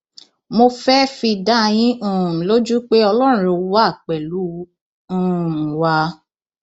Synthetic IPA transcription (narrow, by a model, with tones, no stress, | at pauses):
mo˧fɛ˦fi˧da˦˧j̃ĩ˦ũ˦˨lo˦d͡ʒu˦k͡pe˦ɔ˧lɔ˦˨ɾũ˧˦o˧˦wa˦˨k͡pɛ˨lu˨˦ | ũ˦˨wa˧˦